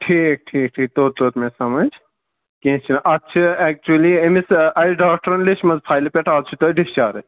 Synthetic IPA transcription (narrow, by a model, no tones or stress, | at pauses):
ʈʰiːk̚ʈʰiːk̚ʈʰiːk̚t̪oːt̪̚t̪oːt̪mẽsɐmɐd͡ʒ | kẽːt͡ʃʰinʔɐtːt͡ʃʰiɛk̚t͡ʃuɐliemisɐjɖaːk̚ʈɐɾɐnlet͡ʃmɐzpʰaːjlɐpʲeʈaːlt͡ʃʰit̪oɖist͡ʃaːɾɐ